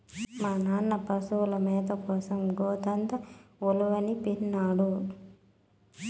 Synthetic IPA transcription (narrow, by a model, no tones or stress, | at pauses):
maːnaːnːɐpɐsulɐmɛːd̪ɐkɔːsɐmɡɔːt̪ɐnt̪ɐuluʋɐnipiɾnːaːɽu